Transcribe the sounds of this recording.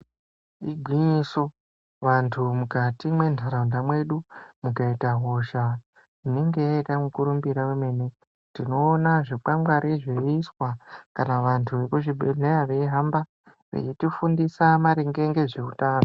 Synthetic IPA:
iɡʱwiɲiso̞ | ʋantʰumukatimwe̞ndʱaɾaundamwe̞ɗumukaitaɦo̞ʃa | ine̞ŋɡe̞jaitamukuɾumbiɾaweme̞ːne | ndino̞ːnaʐik͡pamɡwaɾiʐeːswakanaʋantʰuʋekuʐibʱe̞ɮejaʋe̞iɦamba | rḛt͡ʃitifundisamaɾeŋɡe̞ŋɡe̞ʐekutaːo

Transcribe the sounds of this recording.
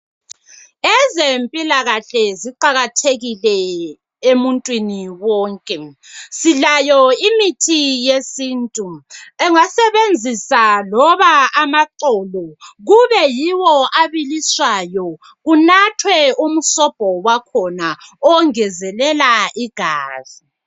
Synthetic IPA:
ɛzempʼilaɣaɬɛziǃaɣatʰeɣilɛ | emuntʼwiniwɔːŋkʼɛsilajɔimitʰijesiːntʼuɛŋasɛβend͡zʱisalɔβaamaǃɔlɔɣuβɛjiwɔaβiliswajɔ | ɣunatʰwɛumusɔb̥ʱɔwakʰɔnaɔŋɛzɛlɛlaiɡ̥ʱaːz̥i

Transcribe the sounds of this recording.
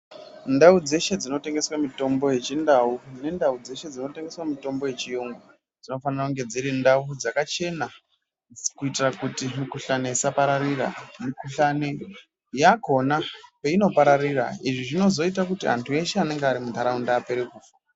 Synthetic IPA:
ndaud͡ze̞ʃe̞d͡zino̞te̞ŋɡe̞swamito̞mbo̞je̞t͡ʃindaune̞ndaud͡ze̞ʃe̞d͡zino̞te̞ŋɡe̞swamito̞mbo̞je̞t͡ʃijoŋɡwa | d͡zino̞fanirakuŋɡe̞d͡ziɾindaud͡zakat͡ʃe̞na | kuitirakutimikuɬane̞isapaɾaɾira̰mikuɬane | jako̞nape̞ino̞paɾarira̰iʐiʐino̞zo̞it̬akutia̰ntʰue̞ʃeane̞ŋɡeaɾimud̪ʱaɾaundaːpe̞ɾekuːfa

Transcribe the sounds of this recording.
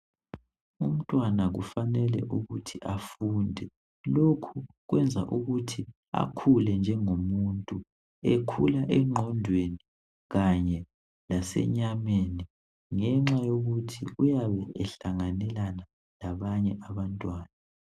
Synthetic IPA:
um̩tʼwanaɣṵfanɛlɛ̰ʔuɣutʰiʔafundʱɛ | lokʰu | ɣwɛnd͡zʱa̰ʔuɣutʰi | a̰kʰulɛnd͡ʒʱɛŋomuntʼu | ɛkʰulaʔɛŋ͡ǁʱɔndʱweni | ɣaɲɛ | lasɛ̰ɲameːni | ŋɛŋ͡ǁajoɣutʰiujaβɛɛɬaŋanɛlana | laβaɲɛʔaβantʼwaːna

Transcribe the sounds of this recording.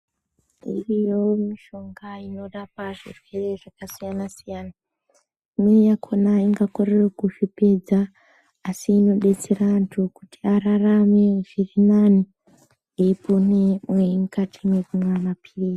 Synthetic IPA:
ḭrijomiʃo̞ŋɡaino̞ɗapaʐḭrwe̞re̞ʐakasijanasijaːna | imwejakʰo̞naiŋɡakorerokuʃipe̞d͡zaː | siːno̞ɗe̞t͡serantʰukutiararame̞ʐ̥irinani | epʰonemweimukatʰimekumwamapʰirisi̥

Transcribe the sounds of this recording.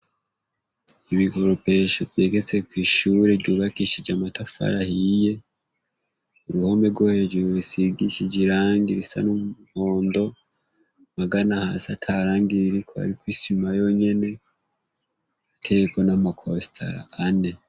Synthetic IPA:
iβiɡo̞ɾope̞ʃovje̞ːɡe̞t͡se̞kwiːʃuɾeɟuβakiʃid͡ʒamatafa̰ɾahije̞ | uɾuho̞me̞ɡoːheoɟuβisiɡiʃid͡ʒiɾaːŋɡiɾisa̰numuho̞ːndo̞ | maɡanahasatʰaɾaːŋɡiɾiɾikʰo̞a̰ɾikwiːsimajo̞ɲe̞ne̞ | atʰe̞ɡeko̞namakʰosi̥tʰa̰ɾa̰ʔane̞

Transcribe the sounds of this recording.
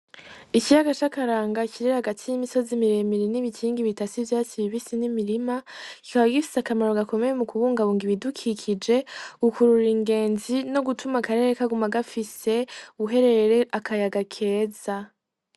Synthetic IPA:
icijaɡat͡ʃakaɾaːŋɡaciɾihaɡatʰijimiso̞zimiɾe̞miɾiniβicʰiːŋɡiβitasivjaːt͡ʃiβiβisinimiɾimakikaβaɡifi̥sakamaɾo̞ɡako̞me̞jemukuβuːŋɡaβuːŋɡiβidukʰikʰid͡ʒe̞ukuɾuɾiŋɡe̞ːnzino̞ɡutʰumakaɾe̞ɾekaɡumaɡafise̞uβuɦe̞ɾe̞eɾeʔakʰajaɡakʰe̞ːza

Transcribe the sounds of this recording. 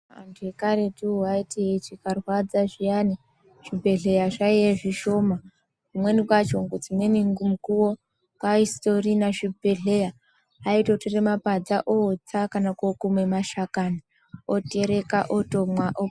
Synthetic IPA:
a̰ntʰuekaɾe̞tiuaitiɦet͡ʃikarwad͡zaʐijani | ʐ̥ibʱe̞ɮe̞jaʐaijeʐiʃo̞ma | kumwe̞nikwat͡ʃoŋɡod͡zimweniŋɡumukuwo | kaisto̞rinaʃibʱeɮejaː | ito̞toremapad͡zaʔot͡sakanakokume̞maʃakani | oteɾekaʔoto̞mwaʔo

